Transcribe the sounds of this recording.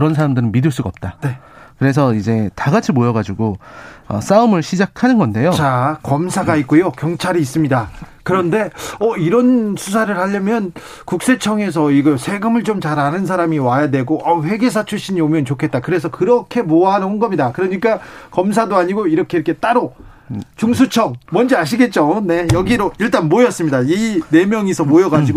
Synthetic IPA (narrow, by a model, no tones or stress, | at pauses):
kɯɾʌns̬ʰaɾamdɯɾɯnmidɯɭs͈uɡaʌp̚t͈ane̞ | kɯɾe̞s̬ʰʌid͡ʑe̞taɡat͡ɕʰimojʌɡad͡ʑuɡoʌ̰s͈aɯmɯɭɕʰid͡ʑakʰanɯnɡʌnde̞jot͡ɕakʌmsʰaɡait̚k͈ojokjʌŋt͡ɕʰaɾiːs̬͈ɯmɲidakɯɾʌnde̞ʌiɾʌnsʰus̬ʰaɾɯɭhaʎːʌmjʌn | kuk̚s͈e̞t͡ɕʰʌŋe̞s̬ʰʌiɡʌsʰe̞ɡɯmɯɭt͡ɕomt͡ɕaɾɦanɯns̬ʰaɾamiwajadwe̞ɡoʔʌɸwe̞ɡe̞s̬ʰat͡ɕʰuɕ͈iɲiomjʌnt͡ɕokʰe̞t̚t͈akɯɾe̞s̬ʰʌkɯɾʌkʰe̞moaɦanɯnonɡʌmɲidakɯɾʌɲik͈akʌms̬ʰadoaɲiɡoiɾʌkʰeɾʌkʰe̞t͈aɾo | t͡ɕuŋs̬ʰut͡ɕʰʌŋmʌnd͡ʑiaɕ̬ʰiɡe̞t̚t͡ɕ͈one̞jʌɡiɾoiɭt͈anmojʌs͈ɯmɲidaine̞mjʌŋesʰʌmojʌɡad͡ʑiɡo